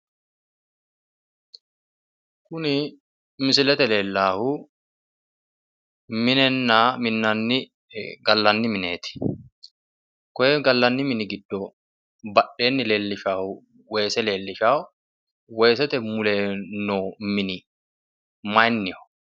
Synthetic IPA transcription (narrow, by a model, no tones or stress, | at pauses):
kʊnɪ | mɪsɪlɛt̪ɛle̞ːlːaːhʊ | mɪnɛnːamɪnːɐnːɪ | ɡɐlːɐnːɪmɪnḛːt̪ɪ̥ | kɔjɛɡɐlːɐnːɪmɪnɪɡɪd̪ːɔ | bɐɗe̞ːnːɪle̞ːlːɪʃaːhʊ | weːsɛle̞ːlːɪʃaːhʊ | wɛjsɛt̪ɛmʊleːnːoːmɪnɪ | mɐjnːɪɔ̥